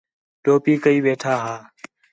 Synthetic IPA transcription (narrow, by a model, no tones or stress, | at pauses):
ɖoːpiːkəiːʋeːʈʰaːɦaː